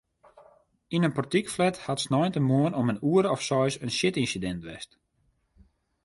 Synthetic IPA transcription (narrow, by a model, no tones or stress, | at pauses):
inənpɔrtikflɛthatsnɔjntəmoənɔmənuəɾəɔfsɔjsənsɪtinsidɛntʋɛ̰st